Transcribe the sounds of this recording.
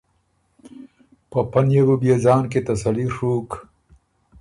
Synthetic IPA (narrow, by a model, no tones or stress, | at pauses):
pəpɐnjebubjed͡zaːnket̪ɐsɐliʂuːk